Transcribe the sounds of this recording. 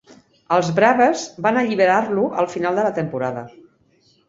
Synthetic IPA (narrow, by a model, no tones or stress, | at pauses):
əlˠzβɾaβəzbanəʎiβ̞əɾarluʔəlˠfinalˠd̪ələt̪əmpuɾaðə̰